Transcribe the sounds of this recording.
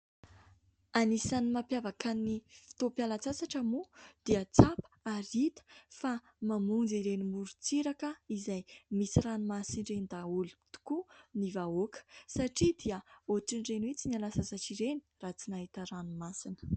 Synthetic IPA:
anisanimapjavakanifi̥t̪opjalat͡sasaʈ͡ʂamud̪̥iət͡sapə̥aɾit̪ə̥fa | mamund͡ziɾenimuɾut͡siɾakəizajmisiranumasinɖ͡ʐenid̪aulit̪u̥kunivaokə̥saʈ͡ʂid̪iəoʈ͡ʂinrenwet͡sinialasasaʈ͡ʂiɾeni̥rat͡sinaɦit̪əranumasinə̥

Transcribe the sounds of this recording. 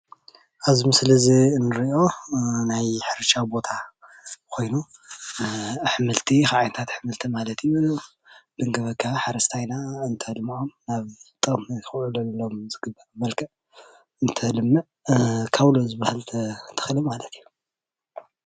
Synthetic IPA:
ʔazimɨslɐziɨnːɨɾiʔo̞najħɨɾʃabo̞t̪ʰa | kʰo̞jnu | ħmɨlt̪ʰixaʕajnt̪ʰat̪ħɨmɨlt̪ʰimalɐt̪ʰiju | d̪ɨŋɡɐβɐkʰːaħaɾɐst̪ʰajnaɨnt̪ʰɐhlɨmuʔomnaβt̪ʼɨmxɨʕulɐnɐlːomzɨɡɨbːabɐlkʰɐʕ | ɨnt̪ʰɐhlɨmːɨʕ | kʰaβlozɨβahɨlt̪ʰɐt̪ʰɐ̥xlɨmalɐt̪ʰiju̥

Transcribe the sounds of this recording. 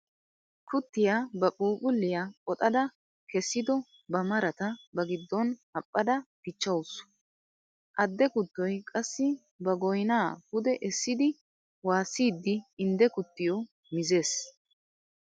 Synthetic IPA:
kʊt̪ːɪjaːbɐkʼuːkʼʊlːɪjaːkʼɔt̪ʼɐd̪ɐ | kɛsːɪd̪ɔ | bɐmɐɾɐt̪ɐbɐɡɪd̪ːɔnhɐpʼːɐd̪ɐpɪt͡ʃːɐwʊsʊ̥ | ʔɐd̪ːɛkʊt̪ːɔjkʼɐsːɪ | bɐɡɔjnaːpʊd̪ɛʔɛsːɪd̪ɪ | waːsiːd̪ːɪːnd̪ɛkʊt̪ːɪjɔ | mɪze̞ːs

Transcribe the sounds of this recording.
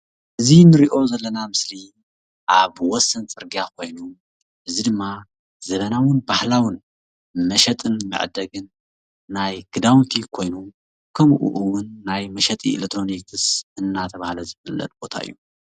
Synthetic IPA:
ʔɨzinɨɾiʔo̞zɐlːɐnamɨsli | ʔaβwɔsːɐnt͡sʼɨɾɡijakʰo̞jnu | ʔɨzid̪ɨmːa | z̥ɐβɐnawɨnbahlawɨn | mɐʃɐt̪ʼɨnmɨ̰ʕ̰d̪ɐɡɨnː | ajɡ̥ɨd̪awnt̪ʰikʰo̞jnu | kʰɐmʔṵʔuwʊnːajmɐʃɐt̪ʼḭːlekt̪ʰːɾo̞nikʰɨsɨnːat̪ʰɐβahlɐzɨfɨlːɐ̰t̪ʼb̥o̞t̪ʰa̰ʔɨ̰jːu

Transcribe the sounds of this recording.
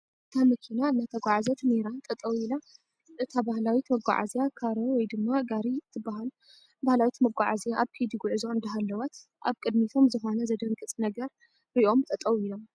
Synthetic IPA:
ʔʔɨt̪ʰamɐkʰinaɨnːat̪ʰɐɡʷaʕazɐt̪neɾant̪ʼɐt̪ʼɐwila | ʔɨt̪ʰabahlawit̪mɐɡʷa̰ʕa̰zjakʰaɾowɔjd̪ɨmːaɡaɾit̪ʰːɨbːaɦal | bahlawit̪mɐɡʷaʕazjaʔaβkʰid̪iɡuʕɨzoɨnd̪ɐɦalːɐwɐt̪ | ʔa̰βkʼɨd̪mit̪ʰo̞mzɨxo̞nɐzɐd̪ɐŋɡʼɨt͡sʼnɐɡɐɾ | ɾiʔo̞mt̪ʼɐt̪ʼɐwilo̞m

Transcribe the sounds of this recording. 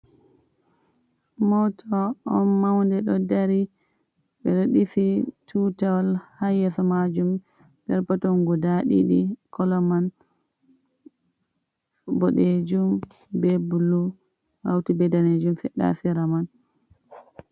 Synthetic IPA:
mɔtʰɔːnmawndɛɗɔdaɾi | ɓɛɾoɗifitʰutawlhajɛsɔmad͡ʒum | dɛɾpatɔnɡɔdaɗḭɗikʰɔlɔman | bɔɗed͡ʒum | bɛbulu | ha̰wtubɛdaned͡ʒumfɛɗa̰fiɾaman

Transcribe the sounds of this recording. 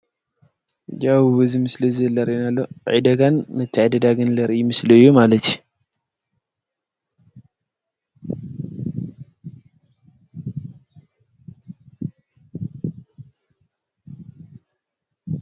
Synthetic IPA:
d͡ʒawβɨzimɨslizɨlːɐɾinalːoʕid̪ɐɡanmɨt̪ʰːɨʕd̪ɐd̪aɡɨnlɐɾʔimɨslɐjːumalɐt̪ʰju

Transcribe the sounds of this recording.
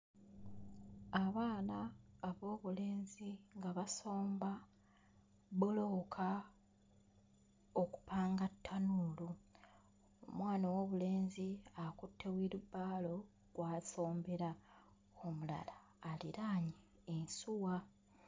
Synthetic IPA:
aβaːnaːβo̞ːβule̞ːnziŋɡaβaso̞ːmba | βolo̞kʰa | oku̥paːŋɡatʰːanuːlu | o̰mwaːnowo̞ːβule̞ːnziakutʰːewiɾubːaːlo̞ | ɡ̥waːso̞ːmbeɾa | omula̰laː | liɾaːɲiː | nsuwa

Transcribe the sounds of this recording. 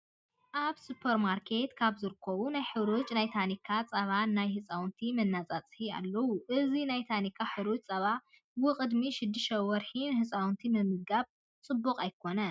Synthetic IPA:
ʔaβsupʰɐɾmaɾkʰe̞t̪kʰaβzɨɾɨkʰːɐβunajħɨβɾut͡ʃʼnajt̪ʰanikʰːat͡sʼɐβannajhɨt͡sʼawnt̪ʰimɐnːat͡sʼat͡sʼħia̰lːɐwuʔɨzinajt̪ʰanikʰːaħɨɾut͡ʃʼt͡sʼɐβa | bɨqʼɨd̪miʃɪd̪ːɨʃɐwɐɾħinhɨsʼawnt̪ʰimɨmɨɡaβ | t͡sʼɨbːuqʼajkʰo̞nɐ

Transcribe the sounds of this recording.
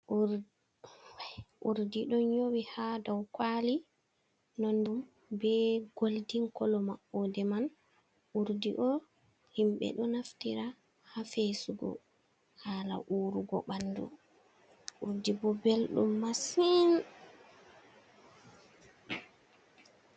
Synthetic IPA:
ʔuɾdiɗɔnɲowihadɔwkwali | nondum | bɛɡoldiŋkɔlɔmaʔɔdɛman | ʔuɾdiʔɔ | himɓɛ̰ɗɔnaftiɾa | hafesuɡɔ̰ | haːla̰ʔuːɾuɡɔ̰ɓanːdṵ | ʔuɾdibɔbelɗṵmːasin

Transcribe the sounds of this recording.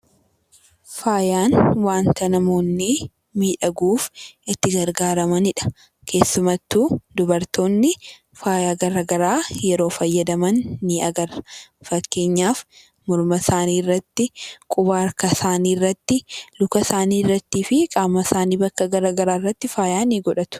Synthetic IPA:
faːjaːnwaːnt̪ɐnɐmo̞ːnːɪ | miːᶑɐɡuːfɪt̪ːɪɡɐɾɡaːɾɐmɐnɪᶑɐ̥ | kʰe̞ːsːʊmɐt̪ːuːd̪ʊbɐɾt̪o̞ːnːɪ | faːjaːɡɐɾɐɡɐɾaːjɛɾo̞ːfɐjːɐd̪ɐmɐnːɪɐɡɐɾfɐkːe̞ːɲːaːf | mɔɾmɐsaːniːrːɐt̪ːɪkʼʊbaːɾkɐsaːniːrːɐt̪ːɪlʊkɐsaːniːrːɐt̪ːiːfɪkʼaːmːɐsaːniːbɐkːɐɡɐɾaɡɐɾaːrːɐt̪ːɪfaːjaːniːɡɔᶑɐt̪ʊ̥

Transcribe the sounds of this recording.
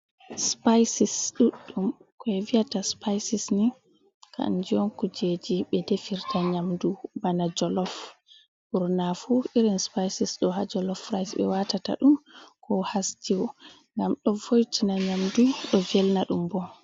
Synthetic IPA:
spajsisɗuɗːumkɔɛvijataspajsisni | kʰa̰nd͡ʒijɔnkud͡ʒed͡ʒiɓɛdefiɾtaɲamdubanad͡ʒɔlɔf | buɾnafuiɾinspajsisɗɔɦad͡ʒɔlɔfɾajsɓɛ̰watata̰ɗumkʰɔhastiwɔ | ŋɡamɗɔvojtʰinaɲamduɗɔvɛlnaɗumbɔ

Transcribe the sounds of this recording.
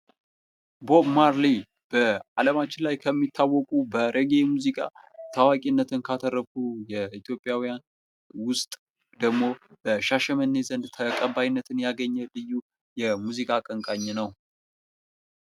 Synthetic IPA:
bo̞bmaɾli | b̥əaləmat͡ʃːɪnlajkʰəmːit̪ʰːawːɔkʼubəɾʔeɡe̞muzikʼa̰ | t̪ʰawakʼinːət̪ʰɨnkʰat̪ʰərːəfujɛit̪ʰjo̞pʼːjawijan | wʊst̪ʼ | d̪əɡmo̞bəʃaʃɛmənːezənd̪t̪ʰəkʼəbajinːət̪ʰɨnjaɡəɲːəlɨjːu | jɛmuzikʼakʼəŋkʼaɲːnəw

